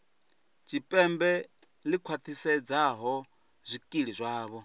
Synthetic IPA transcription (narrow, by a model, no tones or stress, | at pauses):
t͡ʃʰipʼɛmbɛ | likʰwat̪ʰisɛd͡zaɦɔ | zʷikʼiɺizʷaːβɔ